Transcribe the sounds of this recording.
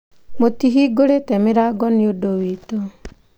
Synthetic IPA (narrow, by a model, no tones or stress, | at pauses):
motiɦiɡoɾetɛmɪɾaɡɔnjodowit̪o